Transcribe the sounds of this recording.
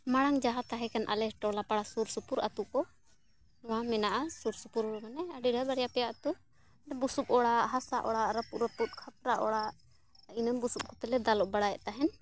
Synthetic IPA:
maɽ̃aŋd͡ʒaɦat̪aɦɛkanʔa̰lɛʈɔlapaɽasuɾsupuɾʔat̪ukɔ | ɔwamɛnaʔasuɾsupuɾɔmanɛaɖiɖabaɽɛjapɛjaʔat̪u | ɖɛbusup̚ɔɽaʔɦasa̰ʔɔɽaʔɾapuʔɾəput̪̚kʰap̚ɾaʔɔɽaʔ | inəmbusup̚kɔt̪ɛlɛd̪alɔʔbaɽajɛʔt̪aɦɛn

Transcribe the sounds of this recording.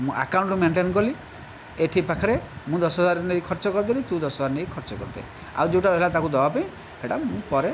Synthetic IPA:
mũʔa̰kaw̃ɳʈumeɳʈenɔkɔli | eʈʰipakʰɔɾemũd̪ɔsɦɔzaɾneikʰɔɾt͡ʃɔkɔɾt̪̬ilit̪ũd̪ɔsɦɔd͡zaɾneikʰɔɾt͡ʃɔkɔɾt̪a̰i | a̰wd͡ʒeʈaɾɦelat̪akud̪ɔbapaĩ | bʰeɽamũpɔɾe

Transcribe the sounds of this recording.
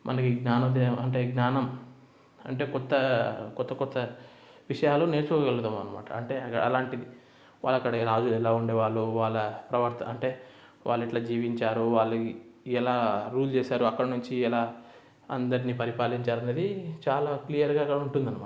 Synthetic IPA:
mʔɐ̰nɐkiɡnaːnɐmd̪eɐɳʈe̞ːɡnaːnɐm | ɐ̰ɳʈe̞ːkɔt̪ːɐkɔt̪ːɐkɔt̪ːɐ | ʋiʂɐjaːloːne̞ːɾt͡ʃukɔːkɡɐlɡut̪aːmɐnɐma̰ːʈɐɐ̰ɳʈe̞ːɐkːɐ̰ɽɐ̰laːɳʈid̪i | ʋa̰ːɭːɐkːɐɽɐɛlaːd͡ʒulɛlaːuɳɖeːʋaːɭːuʋaːɭːɐpɾɐʋɐɾt̪ɐɐɳʈe̞ː | ʋa̰ːɭːiʈlaːd͡ʒiːʋiɲt͡ʃaːɾuʋaːɭːɐɛlaːɾuːlt͡ʃeːsaːɾuɐkːɐɽɐnuɲt͡ʃiɛlaː | ɐnd̪ɐɾiniːpɐɾipaːliɲt͡ʃaːɾɐneːd̪it͡ʃaːlaːklijɐɾɡaːkːɐɽɐuɳʈund̪ɐnːɐmaː

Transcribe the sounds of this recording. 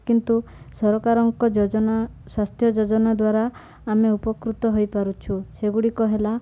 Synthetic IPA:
kint̪u | sɔɾɔkaɾɔŋkɔd͡ʒɔɔna | swast̪ʰjɔd͡ʒod͡ʒɔnad̪waɾaː | meupɔkɾut̪ɔɦojpaɾut͡ʃʰuseɡuɽikɔɦela

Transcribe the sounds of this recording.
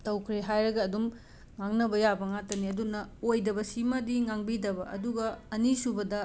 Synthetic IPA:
tɐwkʰɾeɦajɾɐɡɐːdum | ŋaŋnɐbɐjabɐŋatɐniɐdunɐojdɐbɐsimɐdiŋaŋbidɐbɐʔɐ̰duɡɐɐnisubɐdɐ

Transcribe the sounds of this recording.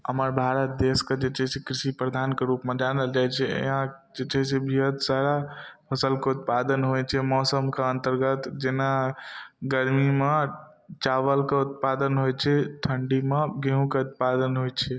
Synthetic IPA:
ɦəməɾbʱaɾət̪̚d̪esked͡ʒet͡ʃɛɦsekɾisipɾəd̪ʱankeɾupmẽd͡ʒanəld͡ʒajt͡ʃʰɛ̰ɦã | d͡ʒet͡ʃɛɦsebʱiɦət̪saɾapʰəsəlkeut̪̚pad̪ənɦojt͡ʃʰɛmɔsəmkeənt̪əɾɡət̪d͡ʒena | ɡəɾmime | t͡ʃaʋəlkeut̪̚pad̪ənɦojt͡ʃʰɛʈ̪ʰəɳɖimeɡeɦũkeut̪̚pad̪ənɦojt͡ʃʰɛ

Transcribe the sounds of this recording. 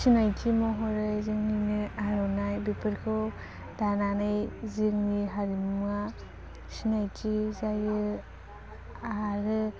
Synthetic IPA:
sinajtʰimɔɦɔɾɯzɯŋninɯaɾɔnajbipʰɯɾkʰɯw | dananajzɯŋniɦaɾima | sinajtizajɯ | aɾɯ

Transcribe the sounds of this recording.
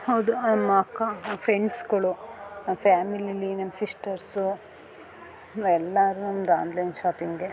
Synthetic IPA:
hɐwd̪umɐkːafʰɾeɳɖskoɭuɐmfʰaːmililinɐmsisʈɐɾsu | ɛlːaɾunɐmd̪a̰ːnd̪lɐjnʃaːpiŋɡe

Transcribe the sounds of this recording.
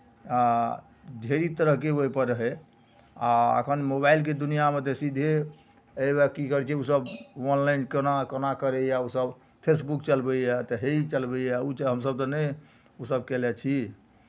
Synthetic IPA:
a | dʱeɾit̪əɾəɦkeoipəɾɦɛ | aə̰kʰənmobailked̪unijamet̪esid̪ʱe | ebakikəɾt͡ʃʰɛusəbɔnlainkənakənakəɾɛjausəb | pʰesbukt͡ʃəlbəiat̪ɔɦet͡ʃəlbəiaut͡ʃɦəmsəb̚t̪ɔnə | usəb̚kɛlɛt͡ʃʰi

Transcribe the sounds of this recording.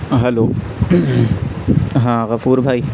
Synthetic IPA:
ɦɛloː | ɦãːɣɐfuːɾbʱaːi

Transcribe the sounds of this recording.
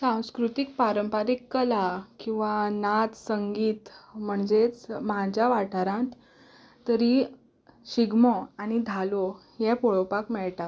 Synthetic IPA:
sãw̃skɾut̪ik̚paɾəmpaɾikːəlakĩw̃ʋanat̪səŋɡiːt̪m̤əɳd͡zet͡smad͡ʑjaʋaʈʰaɾãt̪ː | əɾi | ɕiɡmɔañid̪ʱalo | jɛpɔɭɔpakmɛɭt̪a

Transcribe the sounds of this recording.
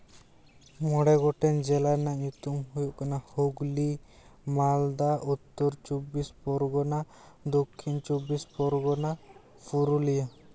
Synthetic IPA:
mɔɽɛɡɔʈɛnd͡ʒɛlanaɲut̪umɦujuʔkanahoɡli | mald̪aʔut̪ːɔɾt͡ʃɔbispɔɾɡɔna | d̪okʰːint͡ʃɔbispɔɾɡɔna | pʰuɾulija

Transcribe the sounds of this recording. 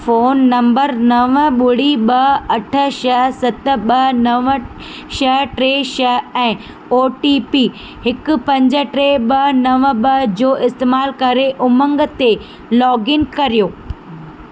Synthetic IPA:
foːnːɐ̃mbəɾnɐʋɓʊɽiɓɐɐʈʰə̆ʃɐɦsɐt̪ə̆ɓɐnɐʋ | ʃɐɦʈɾeːʃɐɦɛ̃ː | oːʈipi | hɪkʊ̆pɐ̃ɲd͡ʑə̆ʈɾeɓɐnɐʋɓɐd͡ʑoːʔɪst̪eːmaːlkɐɾeʔʊmə̃ŋɡt̪e | lɔːɡɪnkɐɾijoː

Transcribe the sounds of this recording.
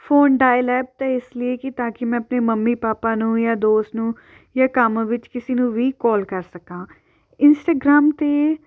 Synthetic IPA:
fʰoːnɖaːjlɛːp̚t̪ɛːɪslɪeːkɪt̪ãːkɪmɛ̃ːəpneːməmːiːpaːpaːnũːjaːd̪oːst̪nũː | jaːkəmʋɪt͡ʃkɪsiːnũːʋiːkɔːlkəɾsəkãː | ɪnsʈaːɡɾaːmt̪eː

